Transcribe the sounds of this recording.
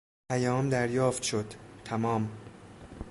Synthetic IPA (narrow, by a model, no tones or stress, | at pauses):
pʰæjɒːmd̪æɾjɒːft̪ʃod̪̥t̪ʰːæmɒːm